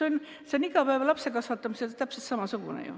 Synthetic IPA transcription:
eonʲ | seoniɡɑpæevɑlɑpsekɑsʋɑt̪ːˑɑmiseet̪æpset̪sɑmɑsukunḛjṵ

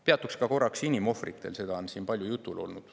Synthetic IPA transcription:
peɑt̪ːˑukskɑko̞rːɑksinimo̞frḭt̪ˑːe̞̰lse̞d̪ɑnsiːnpɑlʲjujut̪ːˑulo̞̰lnud̪̥

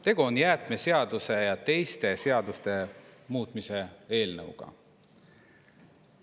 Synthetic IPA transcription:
t̪e̞ɡ̥uonjæːt̪mese̞ɑd̪̥use̞jɑt̪e̞jst̪e̞se̞ɑd̪ust̪e̞muːt̪ˑmise̞e̞ːlnɤ̰wɡ̥ɑ̰

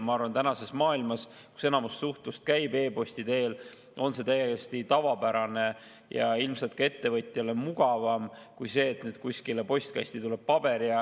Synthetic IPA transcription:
mɑɑrvɑnt̪ænɑse̞smɑːilmɑsku̥se̞nɑmust̪ːsuht̪ust̪̚kæjbe̞ːpo̞st̪id̪e̞ːl | o̞nse̞t̪æjːejest̪it̪ɑvɑpæɾɑne̞ | jɑ̰ilmselt̪̚kɑe̞t̪ːe̞vɤt̪ʲˑjɑle̞muɡ̥ɑvɑmkujse̞ːt̪ned̪̚kuskilepo̞sʲt̪̚kɑ̰st̪it̪ule̞b̥̚pɑb̥e̞ɾiɑ

